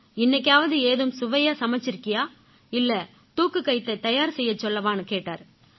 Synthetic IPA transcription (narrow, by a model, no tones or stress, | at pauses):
ɪnːɐk̬ʲːaːʋɐðɯeːðɯmsʊʋɐjaːsɐmɐt͡ʃːɪɾɯkːɪjaː | ɪlːɐ | t̪uːkːɯkɐɪt̪ːɐt̪ːɐjaːɾsɛjːɐt͡ʃːɔlːɐʋaːnɯkeːʈːa̰ːɾ